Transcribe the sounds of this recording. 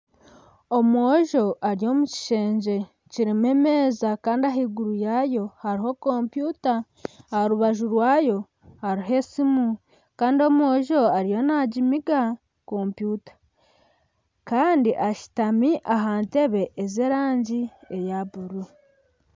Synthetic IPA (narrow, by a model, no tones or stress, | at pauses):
o̞moʒo̞ʔaɾijo̞muci̥ʃe̞ːɲd͡ʒe̞ | ciɾime̞me̞ːzakaːndiaɦiːɡuɾujajo̞haɾiɦo̞ko̞mpjuːtaː | ɾuβaʒuɾwaːjo̞ | haɾiɦe̞simu | kaːndio̞moːʒo̞aɾijo̞naɟimiɡa | ko̞ːmpjuːtḁ | kaːndiʔaʃi̥tamiʔaɦaːnte̞βe̞ʔezeɾaːɲɟiejaβuɾu